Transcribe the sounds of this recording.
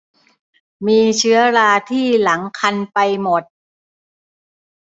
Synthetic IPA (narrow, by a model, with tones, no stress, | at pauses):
miː˧t͡ɕʰɯ˦˥ɐɾaː˧t̪ʰiː˥˩la˩˦ŋkʰa˧npa˧jmo˨˩t̪̚